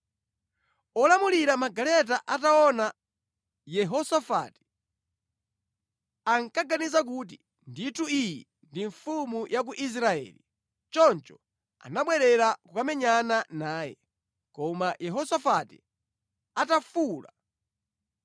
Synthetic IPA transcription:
ɔlamuliɾamaɡalɛt̬aʔataɔna | jɛɦɔsafa̰ːti̥ | aŋkaɡanizak̬uːt̬i | ndituijɛ | ndiɱfumujʔak̬uʔis̬ɾaɛ̰ːli | t͡ʃɔnt͡ʃɔ | a̰naɓwɛɾɛɾakukamɛɲananaːjɛ̰ | kɔmajʔɛɦɔsafatḭ | atafuːla

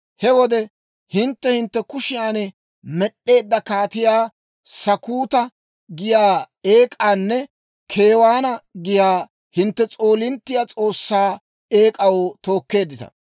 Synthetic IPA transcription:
hɛwɔd̪ɛ | hɪnt̪ːɛhɪnt̪ːɛkʊʃɪjaːnɛ | mɛɗːe̞ːd̪ːɐkaːt̪ɪjaː | sɐkuːt̪ɐ | ɡɪjaː | eːkʼaːnːɛ | kʰeːwaːnɐɡɪjaː | hɪnt̪ːɛt͡sʼoːlɪnt̪ːɪjaːt͡sʼo̞ːsːaː | eːkʼɐwot̪o̞ːkːe̞ːd̪ːɪt̪ɐ̰

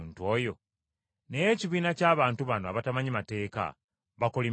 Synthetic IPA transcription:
ntuojo̞ | nejeciβiːnacaːβaːntuβanoa̰βatamaɲimate̞ːka̰ | βako̞li

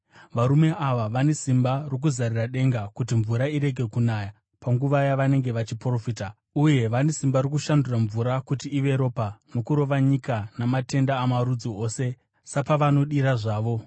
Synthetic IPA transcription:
ʋaɾume̞ʔaʋaʋane̞simbarok̬uzariraɗe̞ŋɡakutiɱvuɾaiɾe̞ɡʱe̞kunaja | paŋɡuʋajaʋane̞ŋɡe̞ʋat͡ʃipro̞fiːta | uje̞ʋane̞simbarikuʃanduraɱvuɾakutiːʋe̞ɾo̞ːpano̞kuɾo̞ʋaɲikanamate̞ndaːmaɾud͡zio̞ːse̞ | sapaʋano̞ɗiɾaʐaːʋo̞

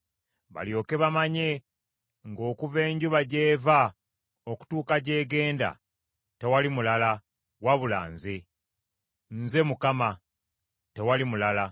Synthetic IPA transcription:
βa̰ljo̞ːke̞βamaɲe̞ | ŋɡo̞ːkuve̞ːɲɟuβaɟe̞ːva | oku̥tuːkaɟe̞ːɡe̞ːnda̰ | te̞walimulala | waβula̰ːnze̞ | nze̞mukama | te̞walimulala

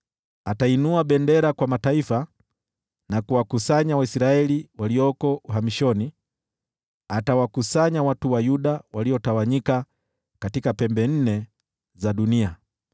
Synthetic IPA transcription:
atainuaɓɛndɛɾakwamataifa | nakuwakusaɲawaisɾaɛliwaliɔkɔuɦamiʃɔni | atawakusaɲawatuwajuɗawaliɔtawaɲika | katikapɛmbɛn̩nɛ | zaɗunia

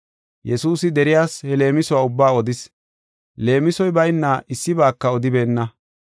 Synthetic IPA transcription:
jɛsuːsɪd̪ɛɾɪjaːshɛle̞ːmɪsɔwaːʊbːaːɔd̪ɪs | le̞ːmɪsɔjbɐjnːaʔɪsːɪbaːkːɐɔd̪ɪbe̞ːnːɐ

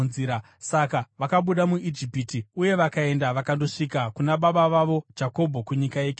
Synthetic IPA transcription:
ziɾa | sakaʋakaɓuɗamuʔid͡ʒipitiuje̞ʋakae̞ndaʋakando̞ʂikakunaɓaɓaʋaʋo̞d͡ʒako̞bʱo̞kuɲikajeːk

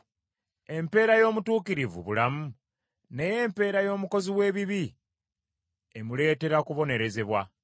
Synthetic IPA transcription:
e̞mpe̞ːɾajo̞ːmutuːkiɾivṵβulamu | ne̞je̞ːmpe̞ːɾajo̞ːmuko̞ziwe̞ːβiβi | emule̞ːte̞ɾakuβo̞ne̞ɾe̞ze̞βwa

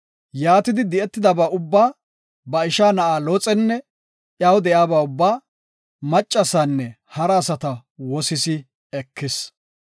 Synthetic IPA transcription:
jaːt̪ɪd̪ɪd̪ɪʔɛt̪ːɪd̪ɐbaːʔʊbːaː | bɐɪʃaːnɐʔaːloːt͡sʼɛnːɛ | ʔjawd̪ɛjaːbaːʊbːaː | mɐt͡ʃʼːɐsaːnːɛ | hɐɾɐːsɐt̪ɐwɔsɪsɪ | ɛkʰːɪs

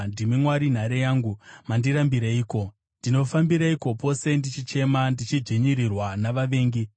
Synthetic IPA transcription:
ndimimwaɾin̤aɾejaːŋɡumandiɾambiɾeiːko̞ | ndino̞fambiɾaiko̞po̞se̞ndit͡ʃit͡ʃe̞mandit͡ʃid͡ʐiɲiɾirwanaʋaʋe̞ːŋɡi

